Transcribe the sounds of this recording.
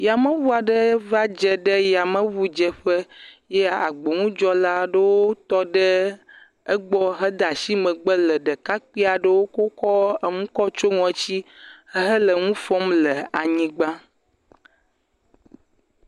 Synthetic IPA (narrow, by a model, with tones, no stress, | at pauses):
ja˨mə̃˦βu˦a˨ɖə˦va˦d͡ʒɛ˨ɖə˦ja˨mə̃˦βu˦d͡ʒɛ˨ɸə˦jɛ˦a̰˨ɡ͡bo˨ŋũ˦d͡ʒɔ˦la˦ɖə˦wo˦t̪ɔ˦ɖə˦ | ə˦ɡ͡bɔ˦ɦə˦d̪a˨si˦mə̃˨ɡ͡bə˦lə˨ɖə˨ka˦k͡pi˦a˨ɖə˦wo˦ko˦kɔ˦ə˨ŋũ˦kɔ˦t͡ʃo˦ŋɔ̃˨t͡ɕi˦hə˦ɦə˦lə˨ŋũ˦fɔ˦mlə˨a˨ɲĩ˦ɡ͡ba˦